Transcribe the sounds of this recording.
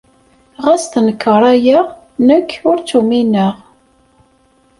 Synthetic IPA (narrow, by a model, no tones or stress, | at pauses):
ʁæst̪nəkːəɾˤæjəʁ | nəkʰːʊɾt͡sːuminəʁ